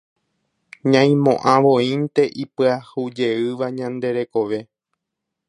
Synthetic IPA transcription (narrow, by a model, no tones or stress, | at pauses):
ɲãj̃mõʔãʋõĩnt̪e̞ʔipɨahud͡ʒe̞ɨʋaɲãnd̪e̞ɾe̞ko̞ʋe̞